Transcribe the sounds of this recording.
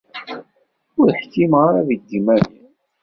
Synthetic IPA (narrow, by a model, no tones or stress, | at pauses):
ʊɾħkːimʁaɾaðid̪ːimænin